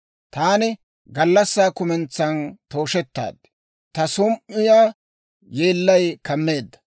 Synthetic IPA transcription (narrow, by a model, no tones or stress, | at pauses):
t̪aːnɪ | ɡɐlːɐsːaːkʊmɛnt͡sːɐnt̪o̞ːʃɛt̪ːa̰ːd̪ | t̪ɐsʊmʔɪjaː | jeːlːɐjkɐmːe̞ːd̪ːɐ̥